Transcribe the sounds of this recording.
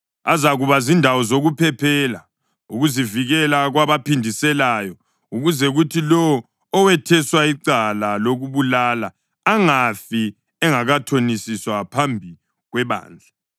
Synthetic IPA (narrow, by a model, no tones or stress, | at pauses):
azaɣuβazindʱawɔzoɣupʰɛpʰɛːla | uɣuziviɣɛlaɣwaβapʰindʱisɛlajɔ | uɣuzɛɣutʰilɔwː | wɛtʰɛswaiǀalaloɣuβulalaː | ŋafi | ɛŋaɣatʰonisiswapʰambʱi | ɣwɛβa̰ːnd͡ɮʱa